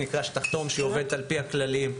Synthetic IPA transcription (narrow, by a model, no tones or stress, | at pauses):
nikaʃt̪aχt̪o̞mʃeove̞d̪alpihaklalim